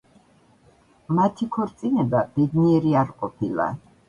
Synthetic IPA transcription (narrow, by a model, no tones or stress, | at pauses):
mat̪ʰikʰɔɾt̪sʼinɛbab̥ɛd̪niɛɾiaɾqʼɔpʰilˠa̰